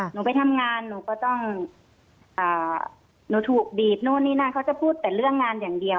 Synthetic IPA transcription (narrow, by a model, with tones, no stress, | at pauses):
nuː˧˦pa˧jt̪ʰa˧mŋaː˧nːuː˧˦kɔː˧˩t̪ɔ˧˥˩ŋ | ʔaː˨˩ | nuː˧˦t̪ʰuː˨˩k̚biː˨˩p̚nuː˧˩˨niː˧˩naː˧˩˨kʰa˧˩wt͡ɕa˧˩˦pʰuː˥˩t̪̚p̪ɛː˨˩lɯ˥˩əŋːaː˧njaː˨˩ŋdi˧əw